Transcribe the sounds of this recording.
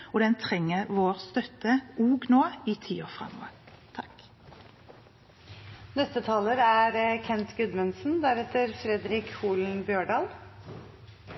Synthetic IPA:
ɔd̪ɛnt̪ʰʁɛŋːəʁʋoːʁst̪œt̪əʔuːɡnoːiːt̪ʰḭːoːʁfʁɛ̰mːo̰ːət̪ʰɑk | nɛst̪ət̪ʰɑːləɾæɾkʰɛnt̪ɡʉd̪mənsn̩d̪æɾɛt̪əɾfɾɛd̪ɾɪkhuːln̩bjøːɖɑːl

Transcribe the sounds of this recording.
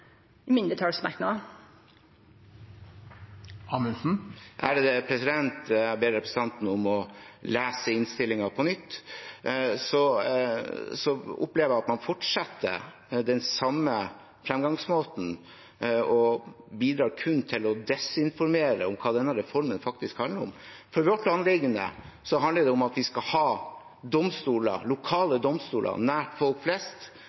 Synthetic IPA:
mɪnd̪ət̪ʰɑːlsmæknɑ | ɑːmənsn̩ʔæ̰ɾd̪ɛpʰɾɛsɪd̪ɛnt̪beːɾɾɛpɾəsət̪ɑnt̪n̩ʊmɔlæːsəɪnst̪ɪlːɪŋɑpʰɔnʏt̪ː | sɔ | sɔʊ̰pleːʋəjæɑt̪mɑnfɔʈʂɑt̪ʰːə̰ɾ | d̪ɛnsɑmːə | fɾɛmɡɑŋsmoːt̪n̩ | ɔbiːd̪ɾɑːɾkʰʉnːt̪ʰɪlɔd̪ɛsɪnfɔɾmeːɾə̰ʊmkʰɑːd̪ɛnːəɾɛfɔɾmənfɑk̚t̪ɪskhɑnləɾɔ̰m | fɔɾʋɔʈlɑnlɪɡːənə̰ | sɔɦɑnəɖɛʊmɑt̪ʋɪskɑhɑː | d̪ɔmst̪uːlə̰lʊkʰɑːləd̪ɔmst̪uːlə̰næːʈfɔlkflɛst̪

